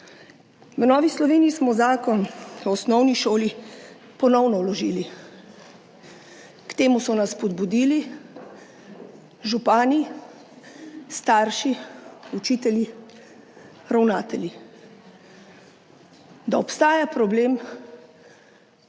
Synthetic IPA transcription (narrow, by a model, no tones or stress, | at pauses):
ʋnɔːʋislɔʋeːniːsmɔzaːkɔnɔːsnɔwniʃoːli | pɔnɔwnɔwlɔʒiːli | kt̪eːmusɔnasːpɔd̪bud̪iːli | ʒupaːni | st̪aːɾʃiut͡ʃit̪ɛlji | ɾawnaːt̪ɛlji | d̪aɔpst̪aːjapɾɔbleːm